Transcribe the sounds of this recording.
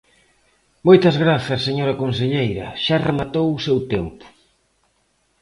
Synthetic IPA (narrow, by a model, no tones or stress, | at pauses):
mojt̪ɐzɣɾaθɐsːeɲoɾɐkons̬eʎejɾɐ̰ʃaremat̪owʊsewt̪ɛmpʊ̥